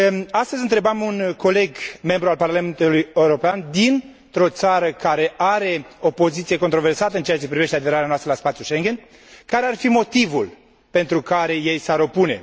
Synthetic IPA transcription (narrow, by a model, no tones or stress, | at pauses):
ast̪əzʲɨnt̪ɾe̞bamunko̞le̞ɡme̞mbɾualparlame̞nt̪ulujeuɾo̞peand̪in | t̪ɾo̞t̪saɾəkaɾe̞ʔaɾe̞o̞po̞zit̪sije̞ko̞nt̪ɾo̞ve̞rsat̪əɨnt͡ʃeat͡ʃe̞pɾive̞ʃt̪ead̪e̞ɾaɾeanoast̪əlaspat̪sjuʃeŋɡʲe̞n | kaɾe̞arfimo̞t̪ivul | pe̞nt̪ɾukaɾe̞je̞jsaɾo̞pune̞̰